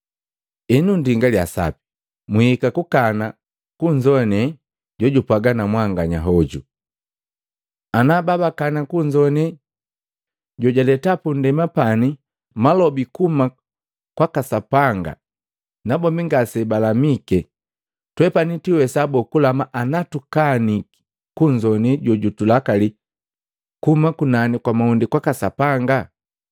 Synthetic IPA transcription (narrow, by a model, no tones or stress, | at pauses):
ɛnundiŋɡaljasa̰pi̥ | muhikakukana | kuɲd͡ʒɔnɛ | ɟɔɟupaɡanamwaŋɡaɲaɦɔɟṵ | anababakanakuɲd͡ʒɔnɛ | ɟɔɟalɛtapundɛmapani | malɔbikuma | kwakasapaŋɡa̰ | nabɔmbiŋɡasɛbalamikɛ | twɛpanitiwɛsabɔkulamaʔanatukani | kuɲd͡ʒɔniɟɔɟutulakali | kumakunanikwamaundikwakasa̰paŋɡa